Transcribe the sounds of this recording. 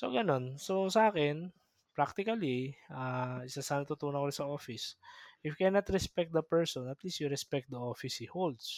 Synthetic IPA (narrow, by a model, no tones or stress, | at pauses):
so̰ɡɐno̞nsosɐʔaːkɛn | pɹak̚t̪ɪkɐliʔaʔɪsasɐnɐt̪ʊt̪uːnɐkoɾɪsɐoːfɪsʔɪfkɛnɐt̪ɾɛspɛk̚t̪̚d̪ɐpɛɹsonɐt̪lisjuɾɛspɛk̚t̪̚d̪ɐʔoːfɪsɪhold̪s